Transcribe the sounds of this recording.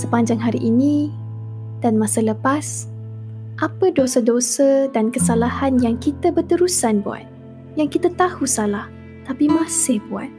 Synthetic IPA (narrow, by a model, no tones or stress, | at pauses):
səpaɲd͡ʒaŋɦaɾiʔinĩ | d̥anmãsələpas | ʔapədosadosədankəsalahanjaŋkit̪əbərt̪əɾusanbua̰t̪̚ | jaŋkit̪at̪ahusalah | t̪apimãsɪhbua̰t̪̚